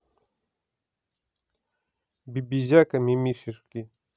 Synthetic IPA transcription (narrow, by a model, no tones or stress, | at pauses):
bibizakamimiʃiɾki